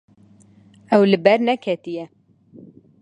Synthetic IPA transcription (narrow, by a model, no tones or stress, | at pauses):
ɛwlɨbɛɾnɛkʰɛt̪ijɛ